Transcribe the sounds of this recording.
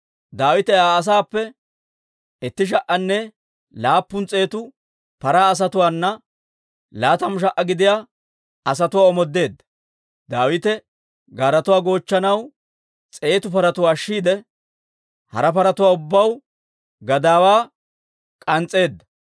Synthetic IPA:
d̪aːwɪt̪ɛaːs̬aːpːɛ | ɛt̪ːɪʃ̬ɐʔːɐnːɛ | laːpːʊnt͡sʼe̞ːt̪ʊ | pɐɾaːs̬ɐt̪ʊwaːnːɐ | laːt̪ɐmʊʃ̬ɐʔːɐɡɪd̪ɪjaː | ɐs̬ɐt̪ʊwaːɔmɔd̪ːe̞ːd̪ːɐ | d̪aːwɪt̪ɛ | ɡaːɾɐt̪ʊwaːɡo̞ːt͡ʃːɐnɐw | t͡sʼe̞ːt̪ʊpɐɾɐt̪ʊwaːʃːiːd̪ɛ | hɐ̰ɾɐpɐɾɐt̪ʊwaːʊbːɐw | ɡɐd̪aːwaː | kʼɐnt͡sʼe̞ːd̪ːɐ̥

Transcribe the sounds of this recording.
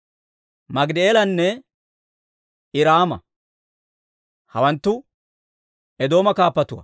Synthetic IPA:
mɐɡd̪eːlɐnːɛ | ɪɾaːmɐ̰ | hɐwɐnt̪ːʊ | ɛd̪o̞ːmɐkaːpːɐt̪ʊwɐ̰

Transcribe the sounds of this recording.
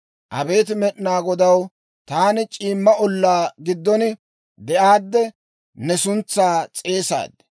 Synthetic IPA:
ʔɐ̰be̞ːt̪̬ɪmɛɗɪnaːɡɔd̪ɐw | t̪aːnɪt͡ʃʼiːmːɐʔɔlːaːɡɪd̪ːɔn | d̪ɛʔaːd̪ːɛ | nɛsʊnt͡sːaːt͡sʼe̞ːsa̰ːd̪ɛ̥

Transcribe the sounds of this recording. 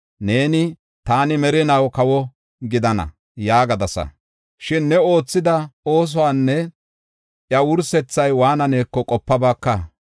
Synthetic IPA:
ne̞ːnɪ | t̪aːnɪmɛɾɪnɐwkɐwɔ | ɡɪd̪ɐnɐ̰ | jaːɡɐd̪ɐsɐ̰ | ʃɪnːɛo̞ːt͡sːɪd̪ɐo̞ːs̬ɔwaːnːɛ | ʔjɐwʊɾsɛt͡sːɐjwaːnɐneːkːɔkʼɔpːɐbaːkːɐ

